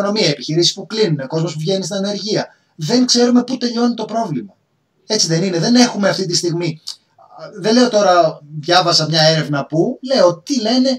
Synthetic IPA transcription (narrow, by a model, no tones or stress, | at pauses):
ono̞miɐiepiçiɾisi̥spuklinuneko̞zmo̞spuvʝe̞nist̪inɐne̞ɾʝiɐ | ðe̞ŋkse̞ɾume̞put̪e̞ʎo̞nit̪o̞pɾo̞vlimɐ | e̞t͡siðe̞nineðe̞ne̞xume̞ɐft̪it̪ist̪iɣmi | ðe̞nleo̞t̪o̞ɾɐðʝɐvɐsɐmɲɐe̞ɾe̞vnɐpule̞ot̪ile̞ne̞